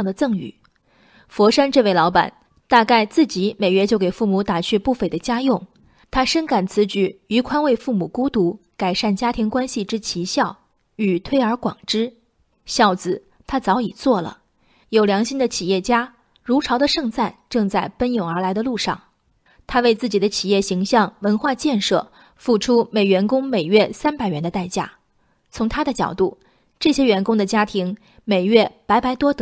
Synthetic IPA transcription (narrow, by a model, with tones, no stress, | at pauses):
ŋd̪ə˩t͡sɤ˥˩ŋy̰˨˩˦ | fwɔ˧˥ʂa˥nʈ͡ʂɤ˥˧we˥˩ɪlɑ˧˥ʊpa̰˨˩˦n | t̪a˥˧ka˥˧ɪt͡sɹ̩˥˩t͡ɕi˧˥me˨˩ɪɥɛ˥˧t͡ɕjo˥˩ʊke˨˩ɪfu˥˩mu˧˥t̪a˨˩t͡ɕʰy˥˧pu˥˩fe˧˥˩ɪd̪ə˩t͡ɕja˥jʊ˥˩ŋ | t̪ʰa˥ʂə˥nka˨˩nt͡sʰɹ̩˧˥t͡ɕy˥˩y˧˥kʰwa˥nwe˥˧ɪfu˥˩mu˨˩ku˥t̪u˧˥ka˨˩ɪʂa˥˩nt͡ɕja˥t̪ʰi˧˥ŋkwa˥nɕi˨ʈ͡ʂɻ̩˥t͡ɕʰi˧˥ɕjɑ˥˩ʊ | y˨˩t̪ʰwe˥ɪə˞˧˥kwɑ̰˨˩ŋʈ͡ʂɻ̩˥ | ɕjɑ˥˩ʊt͡sɹ̩˩ | t̪ʰa˥t͡sɑ˧˥ʊi˨˩t͡swɔ˥˩lə̰˩ | jo˨˩ʊljɑ˧˥ŋɕi˥nd̪ə˨t͡ɕʰi˨˩jɛ˥˩t͡ɕja˥ | ɻu˧˥ʈ͡ʂʰɑ˧˥ʊd̪ə˧ʂɤ˥˧ŋt͡sa˥˧nʈ͡ʂɤ˥˧ŋt͡sa˥˩ɪpə˥njo˨˩ŋə˞˧˥la˧˥ɪd̪ə˧lu˥˧ʂɑ˥˩ŋ | t̪ʰa˥we˥˧ɪt͡sɹ̩˥˩t͡ɕi˨˩d̪ə˦t͡ɕʰi˨˩jɛ˥˩ɕi˧˥ŋɕjɑ˥˧ŋwə˧˥nxwa˥˧t͡ɕjɛ˥˧nʂɤ̰˥˩ | fu˥˩ʈ͡ʂʰu˥me˨˩ɪɥɛ˧˥nkʊ˥ŋme˨˩ɪɥɛ˥˧sa˥npa˨˩ɪɥɛ˧˥nd̪ə˧t̪a˥˧ɪt͡ɕja̰˥˩ | t͡sʰʊ˧˥ŋt̪ʰa˥d̪ə˨t͡ɕjɑ˨˩ʊt̪u˥˩ | ʈ͡ʂɤ˥˩ɕjɛ˥ɥɛ˧˥nkʊ˥ŋd̪ə˨t͡ɕja˥t̪ʰi˧˥ŋ | me˨˩ɪɥɛ˥˩pa˧˥ɪpa˧˥ɪt̪wɔ˥t̪